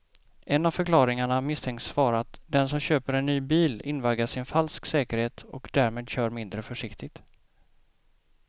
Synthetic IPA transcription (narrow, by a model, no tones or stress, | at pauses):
ʔɛnːav̥fœɾklɑːɾɪŋaɳamɪst̪ʰɛŋk̪svɑːɾat̪d̪ɛnsɔmɕøːpəɾɛnːyːbiːlɪnvaɡ̪aʂɪnfalsksɛːkəɾheːt̪ɔ̰kd̪æɾmeːd̪ɕœːɾmɪnd̪ɾəfœʂɪkt̪ɪɡt̪